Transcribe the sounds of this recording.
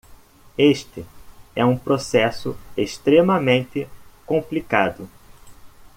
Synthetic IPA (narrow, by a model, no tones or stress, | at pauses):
eʃt̪ɪɛũpɾosɛsʊeʃt̪ɾemɐmẽnt̪ɪkõplikad̪ʊ